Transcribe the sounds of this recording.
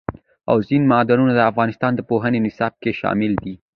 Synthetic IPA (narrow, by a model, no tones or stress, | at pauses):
a̰wzinmɑd̪ɑnunad̪əafɣɑnɪst̪ɑnd̪əpoɦənenɪsɑb̚keʃɑ̰mɪld̪i